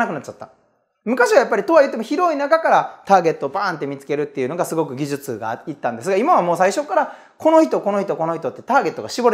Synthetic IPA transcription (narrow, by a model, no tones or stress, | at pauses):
nakɯnat͡ɕːat̪ːa̰ | mɯ̟kaɕiβajapːaɾʲit̪o̞βajɯ̟t̪ːemo̞çiɾo̞inakakaɾat̪aːɡe̞t̪ːo̞ːpaːnt̪ːe̞mʲit͡sɨ̥ke̞ɾɯ̟t̪ːe̞jiɯ̟no̞ɡasɨɡo̞k̬ɯ̟ɡʲiʑɨt͡sɨɡa̰it̪ːãnd̪e̞s̬ɨɡaimaβamo̞ːsaiɕo̞kːaɾa | ko̞no̞çi̥t̪o̞ko̞no̞çit̪o̞ko̞no̞çʲit̪o̞t̪ːe̞t̪aːɡe̞t̪ːo̞ɡaɕibo̞ɾe